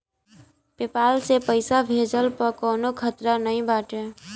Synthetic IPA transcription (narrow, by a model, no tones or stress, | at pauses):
pepaːlsepəɪsabʱeːd͡ʒəlpəɾkoːnokʰət̪ɾanəɦĩbaːʈeː